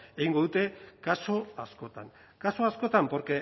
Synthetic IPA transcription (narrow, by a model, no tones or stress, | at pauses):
eɣiŋɡo̞ðut̪e̞kaso̞asko̞t̪aŋ | kaso̞asko̞t̪ampoɾke